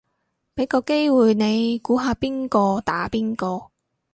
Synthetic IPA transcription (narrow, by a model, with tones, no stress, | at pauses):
pe˨˥jkɔː˧ke˥jwuː˨jne˨˧jkuː˨˥ɦaː˧piː˥nkɔː˧t̪aː˨˥piː˥nkɔː˧